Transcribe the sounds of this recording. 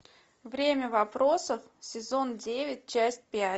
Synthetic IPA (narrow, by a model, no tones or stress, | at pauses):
vɾʲemʲəvɐpɾo̞səf | sʲɪzo̞ndʲevʲɪt̚ʲt͡ɕæsʲt̚ʲpʲa